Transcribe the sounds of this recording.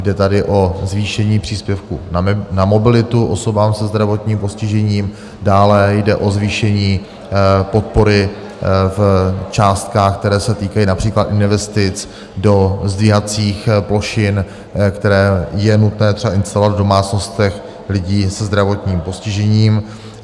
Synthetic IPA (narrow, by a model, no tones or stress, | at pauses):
jdɛt̪adɪʔo̞zviːʃɛɲiːpr̝̥iːspjɛfkunnamo̞bɪlɪt̪uʔoso̞baːmsɛzd̪ɾavo̞t̪ɲiːmpo̞scɪʒɛɲiːm | daːlɛjdɛʔo̞zviːʃɛɲiː | po̞t̪̚po̞ɾɪ | ft͡ʃaːst̪kaːxk̚t̪ɛɾɛːsɛt̪iːkajiːnapr̥iːklat̪ʔɪnvɛst̪ɪt͡s | dozd̪viːɦat͡siːxplo̞ʃɪn | kt̪ɛɾɛːjɛnut̪nɛːt̪r̥ɛbaʔɪnst̪alo̞vad̪vdo̞maːt͡sno̞st̪ɛx | lɪɟiːsɛzd̪ɾavo̞t̪ɲiːmpo̞scɪʒɛɲiːm